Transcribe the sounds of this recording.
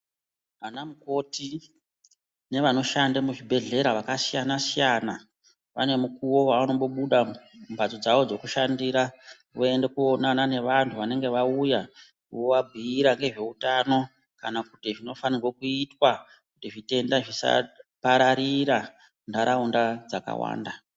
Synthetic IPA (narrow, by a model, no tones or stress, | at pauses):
ʋanamuko̞ti | ne̞ʋano̞ʃandamuʐibʱe̞ɮe̞ɾaʋakasijanasijana | ʋa̰ne̞mukuwo̞waano̞mbo̞ɓuɗambʱad͡zod͡zaʋo̞d͡zo̞kuʃandiːɾa | ʋoe̞ndekuonanane̞ʋantʰuʋane̞ŋɡe̞ʋauja | woʋabʱiiɾaŋɡe̞ʐe̞utano̞ | kanakutiʐino̞fanirwokuitwa | kutiʐite̞ndaʐisa̰paɾaɾiɾa | ndaɾaundad͡zaka̰wa̰ːnda